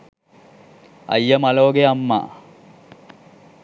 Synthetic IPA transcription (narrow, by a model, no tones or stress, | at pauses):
ɐ̰jːɐmɐloːɡeɐmːa̰ː